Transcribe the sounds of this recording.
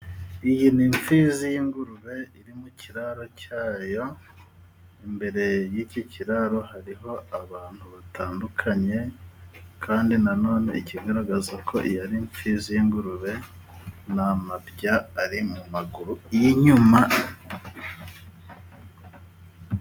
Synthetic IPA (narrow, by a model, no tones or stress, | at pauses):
ijiniɱfiːzijiŋɡuɾuβe̞iɾimuciɾaɾo̞caːjo̞ | imbe̞ɾe̞jiciciɾaɾo̞haɾiɦo̞aβaːn̥huβatʰaːndukʰaɲe̞ | kʰaːndinano̞ːne̞iciɡaɾaɡazakʰo̞̰ʔijaɾiɱfizijiŋɡuɾuβe̞ | namabjaːɾimumaɡuɾujiɲuma